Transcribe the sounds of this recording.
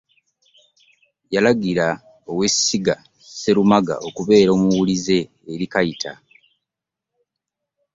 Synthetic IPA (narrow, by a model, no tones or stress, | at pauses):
jalaɡiɾa | owe̞siɡa | se̞ɾumaɡa̰ʔo̞kuβe̞ːɾo̞ːmuwulize̞ː | ɾikajitʰa̰